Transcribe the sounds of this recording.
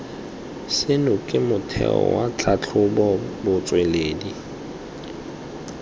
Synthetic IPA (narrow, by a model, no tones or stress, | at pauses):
sɪnʊkʼɪmʊtʰɛ̰ɔ̰wat͡ɬʰat͡ɬʰʊbɔbʊt͡sʼwɛleːdi